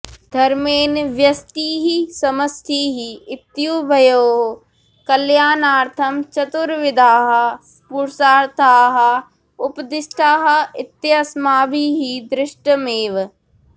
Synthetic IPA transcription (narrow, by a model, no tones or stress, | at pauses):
d̪ʱɐɾmeːnʋjɐst̪iːɦisɐməst̪ʰiːɦiɪt̪juːbʱɐjoːɦ | kɐljaːnaːɾt̪ʰɐmt͡ʃɐt̪ʊɾʋɪd̪ʱaːɦɐ | puɾsaːɾt̪ʰaːɦɐ | ʊpd̪ɪsʈʰaːɦɐɪt̪jɐsmaːbiːɦid̪ɾɪʃʈəmeːʋ